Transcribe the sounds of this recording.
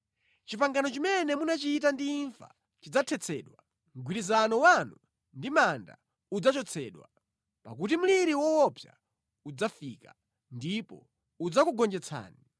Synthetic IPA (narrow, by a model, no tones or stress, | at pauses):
t͡ʃipaŋɡanɔt͡ʃimɛnɛmunat͡ʃiːtandiːɱfa̰ | t͡ʃid͡zatʰɛt͡sʰɛːɗwa | ŋɡwiɾizanɔwanu | ndimanda̰ | ud͡zat͡ʃɔt͡sʰɛ̰ːɗwa | pa̰k̬ut̬im̩liɾiwɔwɔpʰja̰ | ud͡zafiːka | ndipɔ̰ | ud͡zakuɡɔnd͡ʒɛt͡sʰa̰ːni